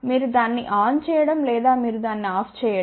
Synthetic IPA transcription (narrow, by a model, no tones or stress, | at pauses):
miːɾud̪aːnːiʔaːnt͡ʃɛːjɐɽɐmlɛːd̪aːmiːɾud̪aːnːiaːpʰt͡ʃɛːjɐ